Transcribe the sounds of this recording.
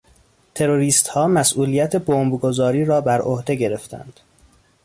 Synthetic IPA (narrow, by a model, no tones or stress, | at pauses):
t̪ʰe̞ɾo̞ɾiːst̪hɒːmæsʔuːliːjæt̪ʰe̞bombɡo̞zɒːɾiːɾɒːbæɾʔohd̪e̞ɟe̞ɾe̞ft̪ʰæ̰nd̪̥